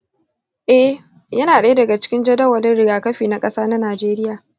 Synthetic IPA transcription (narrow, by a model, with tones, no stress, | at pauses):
ʔɛ˦h | jɐ˦naː˨ɗɐ˦jdɐ˨ɡa˨t͡ʃɪ̥˦kʲɪ˦nd͡ʒɐ˦dɐ˦wɐ˨lɪ˦nɽɪ˦ɡaː˨kɐ˦ɸiː˨na˦kʼɐ˦saː˦na˦naː˨d͡ʒeː˦ɾɪ˦jaː˨